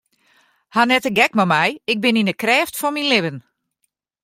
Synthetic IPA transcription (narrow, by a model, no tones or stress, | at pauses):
hanɛtəɡɛkmɔmɛjɪk̚bɪninəkrɛːftfɔnminlɪʋən